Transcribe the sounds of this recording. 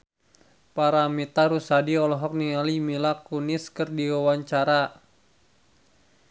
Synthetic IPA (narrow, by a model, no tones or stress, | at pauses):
paɾamit̪aɾusadiɔlɔɦɔk̚nialimilakunɪskɨrdiwawaɲt͡ʃaɾa